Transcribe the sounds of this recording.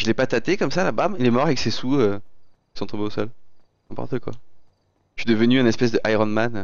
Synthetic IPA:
ʒəlɛpat̪at̪ekɔmsalabailɛmɔʁavɛksesuø | i̥sɔ̃t̪ɔ̃beosɔl | ɛ̃pɔ̰ʁt̪əkwa̰ | t̪ɥid̪əvənyɛ̃nɛspɛzd̪əʔajʁɔnmanø

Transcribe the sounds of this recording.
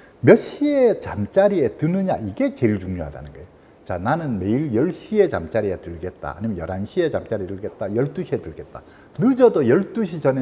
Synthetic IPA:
mjʌɕ͈iet͡ɕamt͡ɕ͈aɾietɯnɯɲa̰iɡe̞t͡ɕe̞iɭt͡ɕuŋɲoɦada̰nɯnɡʌejo | t͡ɕananɯnme̞iɭjʌɭɕ͈ie̞t͡ɕamt͡ɕ͈aɾiatɯɭɡe̞t̚t͈a̰a̰ːɲimjʌnjʌɾanɕʰie̞t͡ɕamt͡ɕ͈aɾidɯɭɡe̞t̚t͈ajʌɭt͈uɕʰietɯɭɡe̞t̚t͈a | nɯd͡ʑʌdojʌɭt͈uɕʰit͡ɕʌne

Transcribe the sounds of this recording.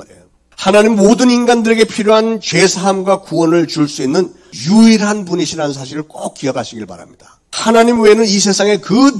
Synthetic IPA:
ḛjo | hanaɲimːodɯninɡandɯɾe̞ɡe̞pʰiɾjoɦant͡ɕe̞sʰaɦamɡwakuwʌnɯɭt͡ɕuɭs͈uinːɯn | juiɾɦanpuniɕʰiɾans̬ʰaɕ̬ʰiɾɯɭk͈ok̚k͈iʌɡaɕʰiɡiɭpa̰ɾa̰mɲid̥ḁ | hanaɲimwenɯnisʰe̞sʰaŋe̞kɯ

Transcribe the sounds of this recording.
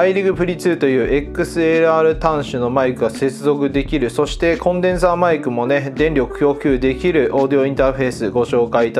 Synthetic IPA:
aiɾʲiɡɯ̟ɸɯ̟ɾʲit͡sɨːt̪o̞jɯ̟ːʔe̞kːɯ̟sɨeɾɯ̟aːɾɯ̟t̪ãɰ̃ɕɨno̞maikɯ̟ɡase̞t͡sɨzo̞kɯ̟d̪e̞kʲiɾɯ̟so̞ɕi̥t̪e̞kõ̞nd̪ẽ̞ɰ̃s̬aːmaikɯ̟mo̞ne̞d̪ẽ̞nɾʲjo̞kɯ̟̥kʲo̞ːkʲɨːd̪e̞kʲiɾɯ̟ʔo̞ːd̪io̞ĩnt̪aːɸe̞ːsɨɡo̞ɕo̞ːkait̪a

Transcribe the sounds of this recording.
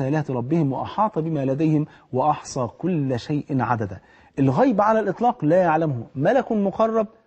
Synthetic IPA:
æːlæːt̪ɾˤɑbːɪhɪmwɑʔɑħɑːt̪ˤɑbɪmæːlæd̪æjhɪm | wɑʔɑħsˤɑːkʊlːʃajʔɪnʕa̰d̪æd̪æ | ʔɪlɣæjbʕalælʔɨt̪ˤlɑːqlæːjaʕlæmhʊmælækʊmʊqɑrˤːɑb̚

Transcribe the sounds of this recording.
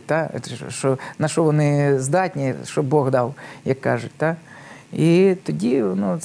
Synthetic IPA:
t̪a̰ʃɔnɐʃɔʋɔnɪzd̪ɑtʲnʲiʃt͡ʃɔbɔɣd̪ɑwjɐkːɑʐʊtʲt̪a | it̪ɔdʲiɔnɔ

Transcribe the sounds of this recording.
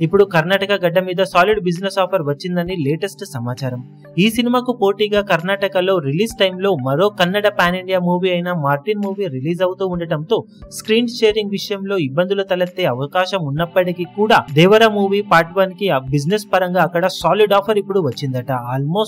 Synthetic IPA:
ipːuɽukɐɾnaːʈɐkɐɡɐɖːɐmiːd̪ɐsaːliɖbid͡ʒnesaːpʰɐɾʋɐt͡ʃːind̪ɐnileːʈesʈsɐmaːt͡ʃaːɾɐm | iːsinimaːkupo̞ːʈiːɡaːkɐɾnaːʈɐkɐlo̞ːɾiliːsʈɐjmlo̞ːmɐɾo̞ːkɐɾnːɐɽɐpaːniɳɖijaːmuːʋiɐjnɐmaːɾʈinmuːʋiɾiliːd͡ʒɐwut̪uːuɳɖɐɽɐnt̪o̞ː | skɾiːɳt͡ʃeːɾiŋɡʋiʂɐjɐmlo̞ːibːɐnd̪ulut̪ɐlɐt̪ːe̞ːɐʋɐkaːʃɐmunːɐpːɐʈikikuːɽaːd̪ɛːʋɐɾɐmuːʋipaːɾʈʋɐnkibid͡ʒnespɐɾɐŋɡaːkːɐɽɐsaːliɖaːpʰɐɾipːuɽuʋɐt͡ʃːind̪ɐʈɐaːlmo̞ːs

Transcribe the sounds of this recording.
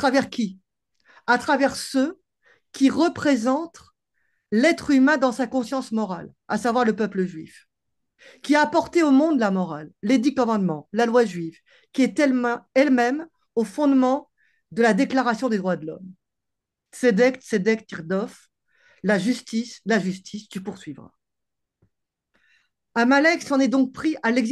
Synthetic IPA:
at̪χavɛʁkʲi | at̪χavɛʁsə | kʲiʁəpχezɑ̃t̪ | lɛt̪χymɛ̃d̪ɑ̃sakɔ̃sjɑ̃smɔʁa̰l | a̰savwaʁləpœpləʒɥḭf | kʲiaːpɔʁt̪eomɔ̃d̪lamɔʁalːed̪ikɔmɑ̃d̪mɑ̃lalwaʒɥiv | kʲiɛt̪ɛɛlmɛm | ofɔ̃d̪mɑ̃ | d̪əlad̪eklaʁasjɔ̃d̪ed̪ʁwad̪əlɔ̰m | sed̪ɛkt̪sed̪ɛkt̪iʁd̪ɔf | laʒyst̪islaʒyst̪ʰisd̪̥ypuʁsɥivʁa̰ | amalɛksɑ̃nɛd̪ɔ̃k̚pχiʔalɛɡz

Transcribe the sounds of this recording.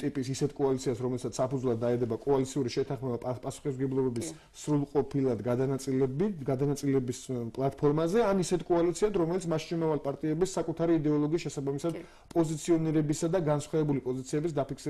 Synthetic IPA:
t̪ʼipʼisisɛt̪ʰkʼɔalit̪sʰiasɾɔmɛlɛsʰat̪ssapudzvlˠad̪ːaɛd̪ɛbakʼɔalit̪sʰiuɾiʃɛt̪ʰaχmɛbappʼasu̥χisɡɛblˠɔbɛbis | sɾulˠqʼɔpʰilˠad̪ɡad̪anat̪sʼilɛbɡad̪anat̪sʼilɛbispʼlˠat̪̚ʰpʰɔɾmazɛanisɛt̪ʰkʼɔalit̪sʰiat̪ɾɔmɛlit̪smaʃnumavalipʼaɾt̪ʼiɛbisːakʼut̪ʰaɾiːd̪ɛɔlˠɔɡiːsʃɛsabamisad̪ | pʼɔzit̪sʰiɔniɾɛbisad̪aɡansχwɛɛbulipʼɔzit̪sʰiɛbis̬d̪apiksi

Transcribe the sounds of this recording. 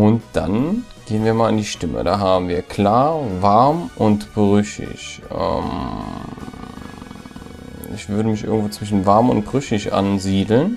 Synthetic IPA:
ʔʊntd̥a̰nɡ̥eːənviːɐmaːlandiːʃtɪmə̰da̰ːɦaːbm̩viːɐkl̥aːɐvaɐmʔʊntb̥ʁʏʃɪ̰çʔʔɛ̰m | ɪ̰çv̥ʏɐɾəmɪçʔɪɐɡŋ̩tv̥oːt͡sv̥ɪʃn̩vaɐmʊnt̚b̥ʁʏʃɪçʔa̰nziːdl̩n

